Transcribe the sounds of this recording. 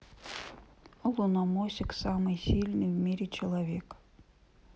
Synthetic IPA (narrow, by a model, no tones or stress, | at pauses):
lˠunamosʲɪksamɨjsʲilʲnɨjvmʲiɾʲɪt͡ɕɪlˠɐvʲek